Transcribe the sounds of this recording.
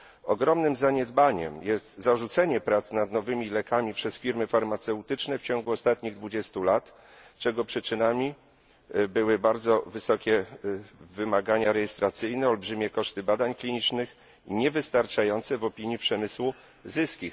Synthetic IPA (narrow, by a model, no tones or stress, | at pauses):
ɔɡɾɔmnɘmzaɲɛd̪baɲɛ̰mjɛst̪zaʐut̪sɛɲɛpɾat̪snad̪nɔvɘmʲilɛkamʲipʂɛsfʲiɾmɘfaɾmat̪sɛwt̪ɘt͡ʂnɛft͡ɕɔŋɡuɔst̪at̪ɲiɣd̪vud͡ʑɛst̪ulat̪ | t͡ʂɛɡɔpʂɘt͡ʂɘnamʲi | bɘwɘbaɾd̪zɔvɘsɔkʲɛ | vɘmaɡaɲaɾɛjɛst̪ɾat̪sɘjnɛɔlbʐɘmʲɛkɔʂt̪ɘbad̪aɲklʲiɲit͡ʂnɘx | iɲɛvɘst̪aɾt͡ʂajɔnt̪sɛvɔpʲiɲipʂɛmɘswu | zɘskʲi